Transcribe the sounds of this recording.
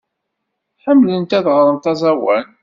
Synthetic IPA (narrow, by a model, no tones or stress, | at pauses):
ħəmːlənt̪æðʁɾˤənt̪ɑzˤæwæn